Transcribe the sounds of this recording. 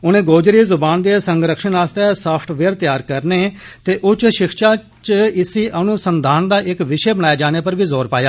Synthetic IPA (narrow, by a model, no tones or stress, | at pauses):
ʊnẽːɡoːd͡ʒɾiːzʊbaːnd̪eːsəŋɡɾəkʃənaːst̪eːsaːpʰʈʋeːɾt̪jaːɾkəɾneːt̪eːʔʊt͡ʃʃɪkʰʃaː | t͡ʃɪsiːʔənʊsənd̪ʱaːnd̪aːʔɪkʋɪʃeːbəɽ̃aːjaːd͡ʒaːñeːpəɾʋiːzoːɾpaːjaː